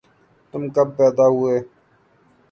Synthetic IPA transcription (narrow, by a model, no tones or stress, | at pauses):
t̪ʊmkɐb̚pɛːd̪aːɦʊeː